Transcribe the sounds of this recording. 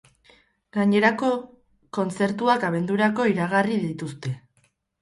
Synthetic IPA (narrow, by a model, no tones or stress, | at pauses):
ɡaɲe̞ɾako̞ | ko̞nt͡se̞ɾt̪uakaβ̞e̞nd̪uɾako̞iɾaɣariðit̪ust̪e̞